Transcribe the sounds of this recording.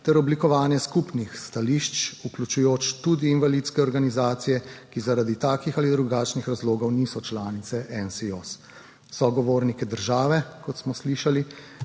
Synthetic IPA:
t̪ɛɾɔblikɔʋaːnjɛskupnixst̪aliʃt͡ʃuklʲut͡ʃujoːt͡ʃt̪ud̪iːnʋalit̪skɛɔɾɡanizaːt̪sijɛkizaɾad̪it̪aːkixalid̪ɾuɡaːt͡ʃnixɾazloːɡɔwnisɔt͡ʃlaːnit̪sɛʔɛnsios | sɔɡɔʋoːɾnikɛd̪əɾʒaːʋɛkɔt̪smɔsliʃali

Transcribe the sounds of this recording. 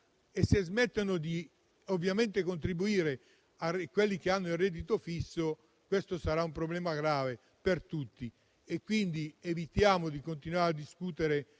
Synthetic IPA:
esːezmɛt̪ːanod̪i | ovːjament̪ekont̪ɾibuiːɾe | akwelːik̟eanːoilrːɛd̪it̪ofisːo | kwest̪osaɾaumpɾoblɛːmaɡɾaːve | pert̪ut̪ːi | ekːwind̪ievit̪jaːmod̪ikont̪inwaːɾead̪ːiskuːt̪eɾe

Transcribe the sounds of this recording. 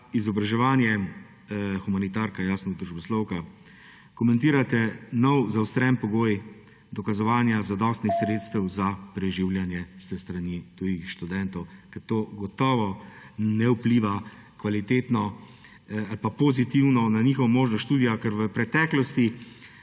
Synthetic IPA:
izɔbɾaʒɛʋaːnjɛ | xumanit̪aɾkajaːsnɔd̪ɾuʒbɔslɔwka | kɔmɛ̃nt̪iːɾat̪ɛnɔwzawst̪ɾɛnpɔɡoːj | d̪ɔkazɔʋaːnjazad̪ɔst̪nixsɾeːt̪st̪ɛwzapɾɛʒiwljanjɛst̪əst̪ɾanit̪ujixʃt̪ud̪ɛnt̪ɔwkɛɾt̪oːɡɔt̪ɔːʋɔnɛwpliːʋa | kʋalit̪eːt̪nɔ | alpapɔzit̪iwnɔnaniːxɔʋɔmoːʒnɔʃt̪uːd̪ijakɛɾʋəpɾɛt̪ɛːklɔst̪i

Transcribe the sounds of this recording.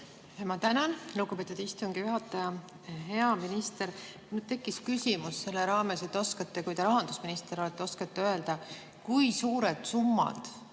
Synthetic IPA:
emɑt̪ænɑnluɡupe̞ːt̪ːud̪ist̪uŋɡ̥ijuɦɑt̪ːˑɑjɑ | ɦe̞ɑminist̪e̞ɾ | nyd̪̥t̪e̞kːˑiskysʲimusːse̞lːeɾɑːme̞set̪ːˑo̞skɑt̪ːekujt̪eɾɑɦɑnd̪usminist̪e̞ɾo̞let̪ːˑeo̞skɑt̪ːeø̞e̞ld̪̥ɑ | kujsuːɾed̪̥sumːɑ̰d̪̥

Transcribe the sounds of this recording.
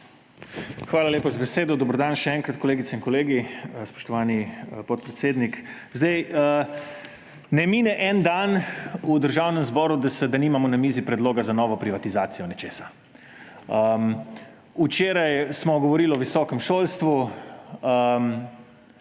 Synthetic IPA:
xʋaːlalʲeːpazabɛseːd̪ɔd̪ɔbɾɔd̪aːnʃɛɛŋkɾat̪kɔleːɡit̪sɛinkɔleːɡispɔ̥ʃt̪ɔʋaːnipɔt̪̚pɾɛt̪seːd̪nik | zd̪ɛjə | nɛmiːnɛʔɛnd̪anud̪əɾʒaːwnɛmzbɔːɾud̪asɛd̪aniːmamɔnamiːzipɾɛd̪loːɡazanɔːʋɔpɾiʋat̪izaːt̪sijɔnɛt͡ʃeːsḁ | əm | ut͡ʃeːɾajsmɔɡɔʋɔɾiːlɔʋisɔːkɛmʃoːlst̪ʋu | əm

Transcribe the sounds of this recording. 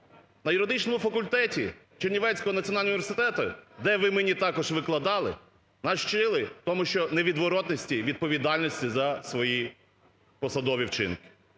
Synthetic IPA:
nɐjʊɾɔd̪ɪt͡ʃnɔmʊfɐkʊlʲt̪ɛtʲi | t͡ʃernʲiʋɛt͡sʲsʲkɔɦɔnɐt͡sʲijɔnɑlʲʊnʲɪʋʲersɪt̪ɛt̪ʊd̪ɛʋɪmɪnʲit̪ɑkɔʒʋɪklˠɐd̪ɑlˠɪ | nɑʃt͡ʃɪlˠɪt̪ɔmʊʃt͡ʃɔneʋʲid̪ʋɔɾɔt̪nɔsʲtʲiʋʲid̪̚pɔʋʲid̪ɑlʲnʲɔsʲtʲizɐsʋɔji | pɔsɐd̪ɔʋʲiwt͡ʃɪ̰nkɪ̥

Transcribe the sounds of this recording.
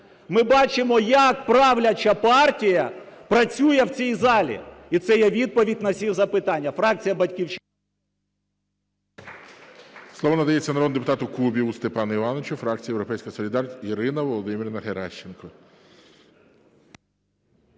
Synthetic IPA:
mɪbɑt͡ʃɪmɔjɐkpɾɑwlʲɐt͡ʃɐpɑrtʲijɐpɾɐt͡sʲujɛwt͡sʲijzɑlʲḭit̪sɛjɛʋʲid̪̚pɔʋʲidʲnɐsʲiwzɐpɪt̪ɑnʲːɐfɾɑk̚t͡sʲijɐbɐtʲkʲiwt͡ʃ | slˠɔʋɔnɐd̪ɐjet͡sʲːɐnɐɾod̪d̪epʊt̪ɑt̪ʊkubʲiust̪epɑnɐiʋɑnɔt͡ʃʊfɾɑk̚t͡sʲijewɾɔpɛjsʲkɐɐsɔlʲid̪ɑriɾɪnɐʋɔlˠɔd̪ɪmʲiɾʲnɐɦeɾaʃːenkɔ

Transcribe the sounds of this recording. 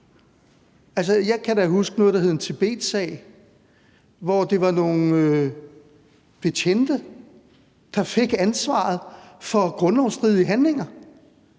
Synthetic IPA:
æls̬əjɑ̈ɪkʰæd̥æɦusɡ̥ənɔːðˠd̥ɦeðˠent͡sʰe̝b̥e̝̰ːd̥sɛ̰ɪ | ʋɒd̥e̝ʋɑ̈no̝ːn̩ø | b̥e̝t͡ɕʰend̥ə | d̥ɑ̈fe̝ɡ̥ænsʋɑ̰̈ːð̩ˠfɒ̽ɡ̥ʁɔ̽nlɒʊsd̥ʁiðˠiəɦænle̝ŋɐ

